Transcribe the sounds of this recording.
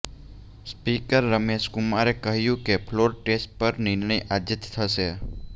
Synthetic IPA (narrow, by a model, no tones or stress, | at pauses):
spikəɾːəmeʃkumaɾekəɦjũkepʰloɾʈesʈ̚pəɾnɪɾɳəjad͡ʒət̪t̪ʰəʃe